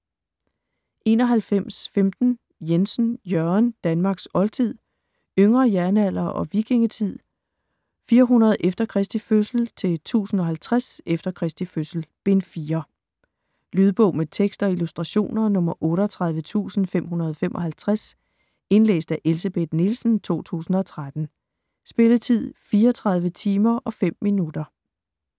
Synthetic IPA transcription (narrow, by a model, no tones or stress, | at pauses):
ʔe̝̰ːnɒ̽ɦælfem̰sfemd̥n̩ | jensn̩jɶɐnd̥ænmɑ̈ːɡ̥sɒ̽lt͡sʰið̞̰ˠ | øŋʁɐjæɐnæl̰ɐʔɒ̽ʋiɡ̥eŋət͡sʰið̰ˠ | fiːɐɦunɐð̞̩ˠʔefd̥ɐkʰʁɛsd̥iføsl̩t͡sʰe̝t͡sʰṵːsn̩ɒ̽ɦælt͡sʰʁasefd̥ɐkʰʁɛsd̥iføsl̩b̥e̝nfiːɐ | lyːðˠb̥ɔ̽ʊ̰met͡sʰeɡ̥sd̥ɒ̽ilusd̥ʁɑ̈ɕo̝̰ːnɐnɔ̽mɐʔɔ̽ːɾɒt͡sʰʁɑ̈ðˠʋət͡sʰṵːsn̩fem̰ɦunɐð̞ˠɒ̽femʔɒ̽ɦælt͡sʰʁas | e̝nlḛːsd̥æʔe̝lsəb̥e̝d̥nilsn̩t͡sʰo̝̰ːt͡sʰṵːsn̩ɒ̽t͡sʰʁad̥n̩ | sb̥e̝lət͡sʰið̞̰ˠfiːɐɒt͡sʰʁɑ̈ð̞ˠʋət͡sʰiːmɐʔɒ̽fem̰ːinud̥ɐ